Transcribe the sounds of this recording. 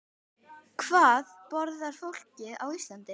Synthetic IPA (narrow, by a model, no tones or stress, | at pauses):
kʰv̥aːðpɔɾðaɾ̥fowl̥cɪawist̪lant̪ɪ